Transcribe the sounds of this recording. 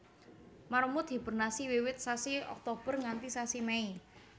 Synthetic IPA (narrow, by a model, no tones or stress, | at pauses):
maɾomʊt̪hibərnasiwiwɪt̪̚sasiɔ̰k̚t̪ob̥ə̤rŋant̪isasimɛi